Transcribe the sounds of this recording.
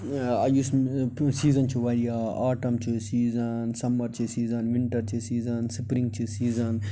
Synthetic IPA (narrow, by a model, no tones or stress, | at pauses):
ɐjussiːzɐnt͡ʃʰiʋaːɾijaaːʈɐmt͡ʃʰisiːzɐnsɐmɐɾt͡ʃʰisiːzɐnʋĩɳʈɐɾt͡ʃʰisiːzɐnsipɾĩŋɡ̚t͡ʃʰisiːzɐn